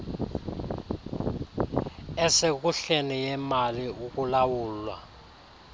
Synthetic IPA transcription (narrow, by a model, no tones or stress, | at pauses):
ɛsek̬uɬenijɛmaliuk̬ulawuːlwa̰